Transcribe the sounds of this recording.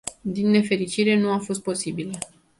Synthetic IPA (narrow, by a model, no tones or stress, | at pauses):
d̪inːe̞fe̞ɾit͡ʃiɾe̞nuafo̞st̪̚po̞sibilə